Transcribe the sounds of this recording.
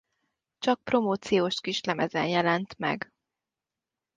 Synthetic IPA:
t͡ʃɒk̚pro̞moːt̪sijoːʃkiʃlɛmɛzɛnjɛlɛnt̪mɛ̰ɡ

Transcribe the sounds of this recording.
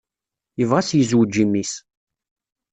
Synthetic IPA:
jəvʁasjəzwd͡ʒːimis

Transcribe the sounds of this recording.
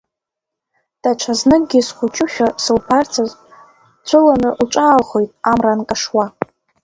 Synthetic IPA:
d̥aʈ͡ʂʷʰaznɨk̚ʼɡʲɪsχʷʊt͡ʃʼʊʃʲᶣasɨlpʰart͡sʰaz | t͡sʷʰʊlanɨʔuʈ͡ʂʷʼaːlχo̞jtʼamrankʼaʂwa

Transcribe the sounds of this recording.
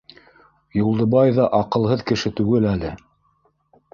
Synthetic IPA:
julˠd̪ɤ̆βɑjðɑʔɑqɤ̆lˠɦɤðkɘ̆ʃɘt̪ʉɡɘlælɘ

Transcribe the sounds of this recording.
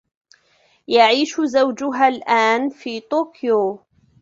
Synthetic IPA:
jaʕiːʃzawd͡ʒʊɦaːlʔaːnfiːt̪oːkɪjoː

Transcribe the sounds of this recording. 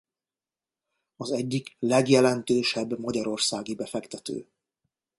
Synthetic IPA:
ɒzɛɟːiklɛɡjɛlɛnt̪øːʃɛbːmɒɟɒɾo̞rsaːɡibɛfɛkt̪ɛt̪ø̰ː

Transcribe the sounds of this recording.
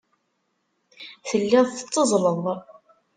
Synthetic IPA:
θəlːæðθət͡sːəzˤləðˤ

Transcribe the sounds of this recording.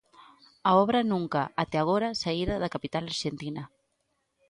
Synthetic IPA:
aɔβ̞ɾanũŋkaːt̪eaɣ̞oɾasaiɾaðakapit̪alaɾʒent̪ina

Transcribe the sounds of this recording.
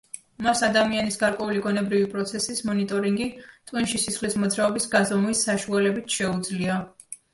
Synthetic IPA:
masad̪amianisɡaɾkʼwɛuliɡɔnɛbɾivipʼɾɔt̪sʰɛsismɔnit̪ʼɔɾiŋɡit̪ʼinʃisisχlismɔd̪zɾaɔbisɡazɔmuisaʃualɛbit̪ʰʃɛud̪zlia

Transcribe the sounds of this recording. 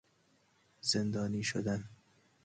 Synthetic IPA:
z̥end̪ɒːniːʃo̰d̪æn

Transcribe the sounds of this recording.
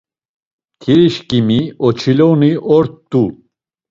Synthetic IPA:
k̪ʰiɾiʃkimiɔt͡ʃʰilɔniʔɔɾt̪ːu

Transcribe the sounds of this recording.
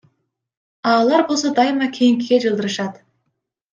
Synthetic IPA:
ɑːlˠɑɾbo̞lˠs̬ɑd̪ɑjmɑkʲʰejɪŋkʲɪɡʲeʒəlˠd̪əɾəʃɑd̪

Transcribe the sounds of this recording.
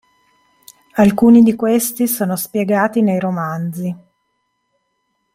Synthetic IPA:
alkuːnid̪ikwest̪isoːnospjeɡaːt̪inejɾomand̪zi

